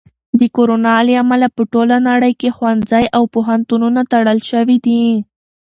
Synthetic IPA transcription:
d̪əkoɾonɑliamalapəʈolanaɽəjkexwanzajʔawpoɦant̪ununat̪aɽəlʃəwid̪i

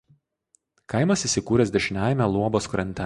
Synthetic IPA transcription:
kɐɪmɐsiːsʲɪkuːɾʲɛsd̪ʲɛʃʲɪnʲæːˑjɛmʲælˠuɔboːskɾɐnʲt̪ʲɛ

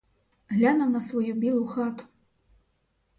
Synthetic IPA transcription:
ɣlʲanɐwnɐsvɔjubʲɛlˠuxat̪u̥

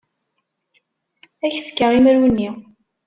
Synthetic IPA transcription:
æçfkːəʁiməɾwənːi

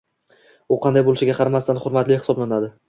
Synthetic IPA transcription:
ʊqʰɑnd̪ajbolɪʃɪɡʲaqʰɑɾmast̪anχʊɾmat̪lɪhɪsɒblanad̪ɪ

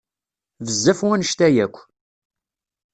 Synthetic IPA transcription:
vəzːæfwænəʃt̪æjækʷː

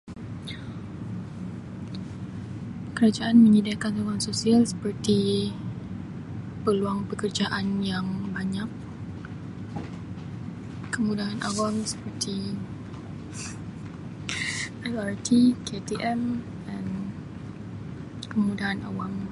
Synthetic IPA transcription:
kəɾad͡ʒaʔanmə̃ɲidakantoɡaŋsosialsə̥pərt̪i | pəluaŋpəkərd͡ʒaʔanjaŋbaɲak̚ | kəmudaɦanʔa̰waŋsə̥pərt̪i | ʔalaɾt̪ʰikʰet̪iʔɛm | dan | kəmudaɦana̰waŋ

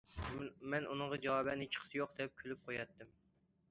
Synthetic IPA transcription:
mɛnʔunɨŋʁɑd͡ʒɑwɑːbɛnːɪt͡ʃʰə̥qʰsɨjoqd̪ɛp̚kʲʰølyp̚qʰojɑt̪ʰːɨm

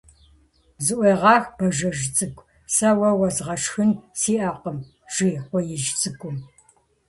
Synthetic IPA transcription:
zɨʔʷeːʁɑːxb̥ɐʒɐʒt͡sʼɨkʷʼ | sɐwɐwɐzʁɐʂxɨnsiːʔɐqəm | ʒ̥iːχʷɔjɪʒt͡sʼɨkʷʼʊm

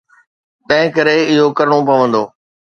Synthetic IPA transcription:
t̪ɐ̃ɦɪ̃kɐɾeɪɦokɐɾɽ̃opɐʋə̃nd̪oː

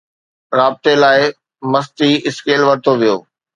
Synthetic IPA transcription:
ɾaːb̚ɪt̪elaːɪ | mɐst̪iɪskeːlʋɐɾɪt̪ʰoʋijoː

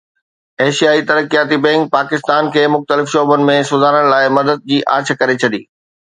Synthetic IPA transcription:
eːʃijaːit̪ɐɾəkijaːt̪ibɛ̃ŋk̚paːkɪst̪aːnkʰeːmʊxt̪əlɪfʃɔːbʊnɪ̆mẽsʊzaːɾəɽ̃laːɪmɐd̪əd̪̚d͡ʑiːʔa̰ːɾt͡ɕʰkɐɾet͡ɕʰɐɗḭː

